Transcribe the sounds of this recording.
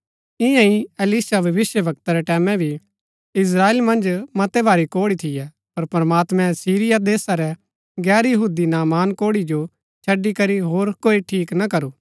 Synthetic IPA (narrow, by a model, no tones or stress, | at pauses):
ɪ̃jãĩɐlisabʱɐʋɪsjəʋɐk̚t̪aɾɛʈɛːmɛ̃bʱi | ɪs̬ɾaːeːlmɐ̃nd͡ʒmɐt̪ɛbʱaːɾikoːɽit̪ʰɪjɛ | pɐɾpɐɾmaːt̪mɛ̃siːɾɪjad̪eːsaɾɛ | ɡɛːɾjɐɦuːd̪inaːmaːnkoːɽid͡ʒo | t͡ʃʰɐɖikɐɾiɦoːɾkoːiʈʰiːknɐkɐɾuː